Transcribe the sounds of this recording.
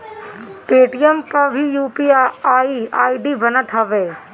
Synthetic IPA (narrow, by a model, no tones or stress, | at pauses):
peːʈijəmkɐbʱijuːpiaaːiaːiɖibɐnət̪ɦɐʋeː